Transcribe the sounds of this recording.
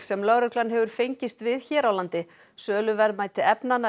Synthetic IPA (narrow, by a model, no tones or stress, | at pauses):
sɛmlœɣɾʏklanɦɛvʏɾ̥fejɲcɪst̪vɪðçɛːɾawlant̪ɪ | sœːlʏvɛɾðmaːjt̪ʰɪɛpnan